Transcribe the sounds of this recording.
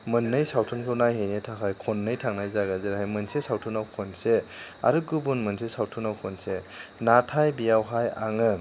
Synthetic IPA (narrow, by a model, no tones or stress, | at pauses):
mɯnːɯjsawtʰunkʰɯwnajɦejnetʰakʰajkʰonːɯjtʰaŋnajzaɡazɯɾɦajmɯnsesawtʰunawkʰonsea̰ɾɯɡubunmɯnsesawtʰunawkʰonsenatʰajbijawɦaja̰ŋɯ